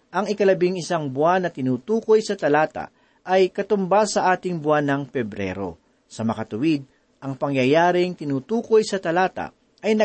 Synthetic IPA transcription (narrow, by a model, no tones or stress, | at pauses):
ʔɐŋɪkɐlɐbɪŋɪsaŋbʊanːɐt̪ɪnuːt̪uːko̞jsɐt̪ɐlaːt̪ɐ̰ | ʔɐjkɐt̪ʊmbasɐʔaːt̪ɪŋbʊanːɐŋpɛbɾɛ̰ɾo̞̰ | sɐmɐkɐt̪ʊwɪd̪̚ | ʔɐŋpɐŋjɐjaːɾɪŋt̪ɪnuːt̪uːko̞jsɐt̪ɐlaːt̪ɐ̰ | ʔɐjnɐ